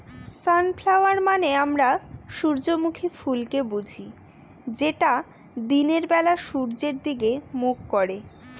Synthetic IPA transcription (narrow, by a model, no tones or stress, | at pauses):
sanfʰlawaɾmaneamɾaʃuɾd͡ʑomukʰifulkebud͡ʑʱi | d͡ʑeʈa | d̪ineɾbɛlaʃuɾd͡ʑeɾd̪iɡemukːoɾe